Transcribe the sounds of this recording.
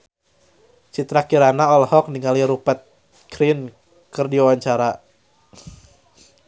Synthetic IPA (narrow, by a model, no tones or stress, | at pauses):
t͡ʃit̪ɾakiɾanaɔlhɔk̚niŋaliɾupət̪̚ | kɾin | kərdiwawaɲt͡ʃaɾa